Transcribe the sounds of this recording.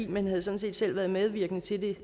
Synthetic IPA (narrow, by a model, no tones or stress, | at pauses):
imenɦæð̞̩ˠsɒ̽n̩s̬e̝̰ːd̥sel̰ʋæːɐð̞ˠmeð̞ˠʋiɐɡ̥nət͡sʰe̝ld̥e̝